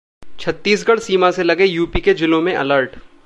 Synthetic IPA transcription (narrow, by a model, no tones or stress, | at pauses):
t͡ʃʰɐt̪ːiːsɡɐɽsiːmaselɐɡejuːpiked͡ʒɪlõmẽʔɐ̰ləɾʈ